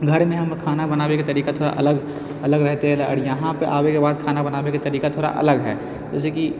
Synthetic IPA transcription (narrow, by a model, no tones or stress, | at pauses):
ɡʱɐɾmẽɦɐmkʰaːnabɐnaːʋeket̪ɐɾiːkat̪ʰoːɽa̰ʔɐ̰ləɡ | ɐləɡɾɛɦt̪eɦɛ̃laə̰ɾjɐɦãpeʔaːʋekebaːd̪kʰaːnabɐnaːʋekat̪ɐɾiːkat̪ʰoːɽa̰ʔɐ̰ləɡɦɛ̰ː | d͡ʒɛ̰ːs̬eki